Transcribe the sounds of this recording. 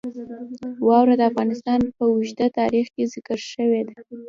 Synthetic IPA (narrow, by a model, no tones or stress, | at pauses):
wɑwɾad̪əafɣɑnɪst̪ɑnpəwiʒd̪at̪ɑɾixkezɪkəɾʃəwed̪a